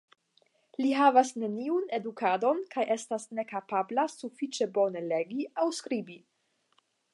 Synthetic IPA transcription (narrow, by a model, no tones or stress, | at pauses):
liɦavasne̞niune̞dukado̞nkajʔe̞stasne̞kapablasufit͡ʃe̞bo̞ne̞le̞ɡiawskɾibi